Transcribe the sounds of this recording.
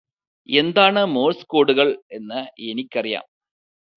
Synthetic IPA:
end̪aːɳɐmoːlskoːɽuɣɐɭenːɐenikʲːɐrija̰ːm

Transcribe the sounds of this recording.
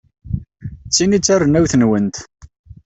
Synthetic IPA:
t͡sːinit͡sːærənæwθənwənt̪

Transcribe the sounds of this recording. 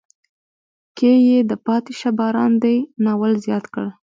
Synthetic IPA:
kejed̪əpɑt̪eʃabɑɾɑ̰nd̪ajnɑwəlzjɑt̪kəɽ

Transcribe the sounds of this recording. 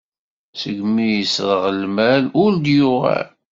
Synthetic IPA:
səɡmijəsɾəʁəlmælʊɾd̪jʊʁæ̰

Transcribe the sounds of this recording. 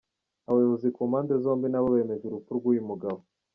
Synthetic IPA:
aβajoβozikomaːndezo̞ːmbinaβoβeːme̞ʒeɾupuɾɡwujimuɡaβo

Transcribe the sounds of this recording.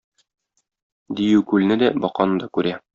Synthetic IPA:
d̪ijʉkʉlnɘd̪æbɒqɑnɤd̪ɒkʉɾæ

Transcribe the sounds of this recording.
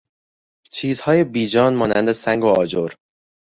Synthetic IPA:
t͡ʃʰiːzhɒːje̞biːd͡ʒɒːnmɒːnæ̰nd̪esæŋɡoɒːd͡ʒoɾ

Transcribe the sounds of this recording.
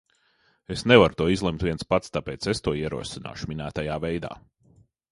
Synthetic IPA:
esnevaɾt̪uɔizlˠɛmt̪vʲiɛnspat̪st̪apɛːt̪sest̪uɔiɛɾṵɔsina̰ːʃuminæːt̪ajaːvɛjd̪a̰ː

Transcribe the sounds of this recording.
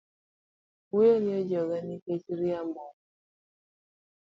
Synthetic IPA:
ujenɪɔd͡ʒɔɡaniket͡ʃɾiamɔ

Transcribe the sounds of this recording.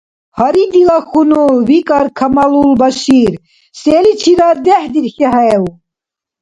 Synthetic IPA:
hɐɾid̪ilɑxunuwikʼɑɾkʰɐmɑlulbɐʃiɾ | seːlit͡ʃʰiɾad̪ɛhd̪iɾxɛɦɛjɛu

